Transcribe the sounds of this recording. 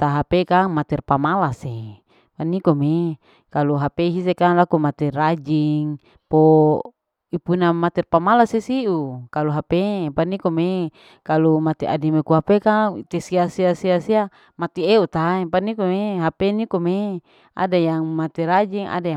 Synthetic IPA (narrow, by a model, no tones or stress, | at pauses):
t̪aɦapekaŋmat̪ɛrpamalase | panikome | kaluɦapeɦis̬ekaŋlakumat̪ɛrad͡ʒiŋ | po | ipunamat̪ɛrpamalasesiʔukaluɦapepanikome | kalumat̪iʔa̰dimekuɦapekat̪esiasiasiasia | mat̪ieut̪aepanikomeɦapenikome | ʔa̰dajaŋmat̪ɛɾad͡ʒiŋa̰daj